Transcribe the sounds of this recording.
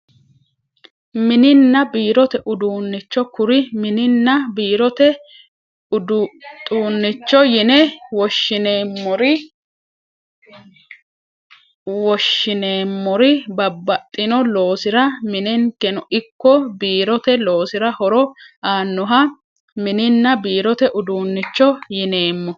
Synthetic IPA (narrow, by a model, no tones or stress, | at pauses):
mɪnɪnːɐbiːɾɔt̪ɛʔʊd̪uːnːɪt͡ʃːɔkʊɾɪmɪnɪnːɐbiːɾɔt̪ɛ | d̪t̪ʼuːnːɪt͡ʃːɔjɪnɛwɔʃːɪneːmːɔɾɪ | wɔʃːɪneːmːɔɾɪbɐbːɐt̪ʼːɪnɔlo̞ːsɪɾɐmɪnɛŋkɛnɔʔɪkːɔbiːɾɔt̪ɛlo̞ːsɪɾɐhɔɾɔaːnːɔɦɐ | mɪnɪnːɐbiːɾɔt̪ɛʔʊd̪uːnːɪt͡ʃːɔjɪne̞ːmːɔ